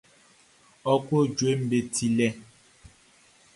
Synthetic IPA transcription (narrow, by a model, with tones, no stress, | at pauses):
ɔ˨kwo˦˨d͡ʒwe˨˦m̩˦be˨tʰi˨lɛ˦